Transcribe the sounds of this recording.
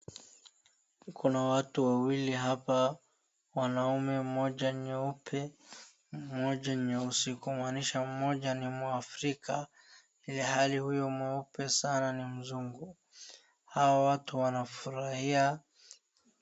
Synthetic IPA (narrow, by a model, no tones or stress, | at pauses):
kʰunawatuwawiliɦapa | wanaumɛm̩mɔʄaɲɛupʰɛ | mɔʄaɛusikumwaniʃam̩mɔʄanimwaafɾikʰa | ilɛhalihujɔmɛupɛsananim̩zuŋɡu | hawawatuwanafuɾahia